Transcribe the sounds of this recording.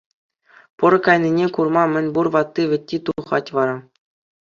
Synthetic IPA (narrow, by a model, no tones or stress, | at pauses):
pɤ̆ɾɤ̆kɑjnʲinʲekurmɑmʲɘ̆nʲburʋɑt̪ːiʋʲɘ̆tʲːit̪uχɑtʲʋɑɾɑ